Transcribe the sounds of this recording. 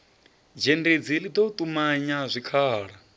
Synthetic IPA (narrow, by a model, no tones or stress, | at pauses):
d͡ʒended͡zilid̪ot̪ʼumaɲazʷikʰaːɺa